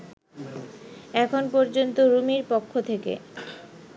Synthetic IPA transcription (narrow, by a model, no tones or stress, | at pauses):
ɛkʰonpɔɾd͡ʑont̪oɾumiɾpokʰːot̪ʰekḛ